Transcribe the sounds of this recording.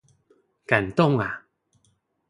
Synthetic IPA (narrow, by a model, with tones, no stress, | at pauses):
ka˨˩nt̪ʊ˥˨ŋa˨